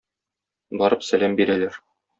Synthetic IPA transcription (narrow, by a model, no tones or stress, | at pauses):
bɒɾɤpsælæmbiɾælæɾ